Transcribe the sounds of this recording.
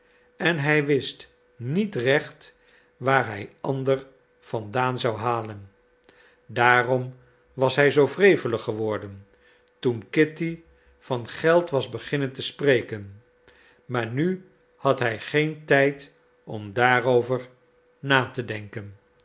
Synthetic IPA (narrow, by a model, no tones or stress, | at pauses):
ɛnɦɛjʋɪst | nitrɛχt | ʋaːɹɦɛjʔɑndəɹ | fɑndaːnzɑwɦaːlən | daːrɔm | ʋɑsɦɛjzowvrejvələχəʋɔɹdən | tunkɪti | v̥ɑnχɛlˠtʋɑzbəχɪnəntəsprejkən | maːɹny | hɑtɦɛjχejntɛjt | ɔmdaːɾowvəɹ | naːtədɛŋkən